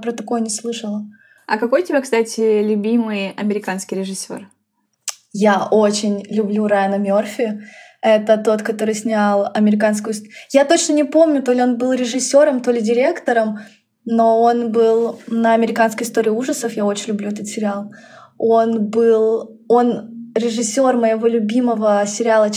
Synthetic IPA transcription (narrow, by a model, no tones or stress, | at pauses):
pɾət̪ɐko̞jənʲɪslˠɨʂəlˠə | ɐ̰kɐko̞jtʲɪbʲakst̪atʲɪlʲʊbʲimɨjɐmʲɪɾʲɪkanskʲɪjɾʲɪʐɨsʲːo̞̰r | jao̞t͡ɕɪnʲlʲʊblʲuɾaanɐmʲo̞rfʲɪ | ɛt̪ət̪o̞t̪kɐt̪o̞ɾɨjsʲnʲalˠɐmʲɪɾʲɪkans̬kʊjʊsjat̪o̞t͡ɕnənʲɪpo̞mnʲʊt̪o̞lʲɪo̞nbɨlˠɾʲɪʐɨsʲːo̞ɾəmt̪o̞lʲɪdʲɪɾʲe̞kt̪əɾəm | no̞o̞nbɨlˠnəɐmʲɪɾʲɪkanskəjɪst̪oɾʲɪːuʐəsəfjao̞t͡ɕɪnʲlʲʊblʲuɛt̪ət̪sʲɪɾʲɪalˠ | o̞nbɨlˠ | o̞nɾʲɪʐɨsʲːo̞rməjɪvo̞lʲʊbʲiməvəsʲɪɾʲɪalˠə